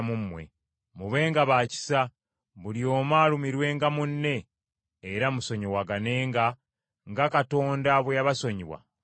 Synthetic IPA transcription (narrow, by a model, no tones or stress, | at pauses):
mumːwe̞̰ | muβe̞ːŋɡaβaːci̥sa | βuljo̞ːmaːlumiɾwe̞ːŋɡamunːe̞ː | ɾamuso̞ɲowaɡane̞ːŋɡa | ŋɡakato̞ːndaβwejaβaso̞ɲiβwa̰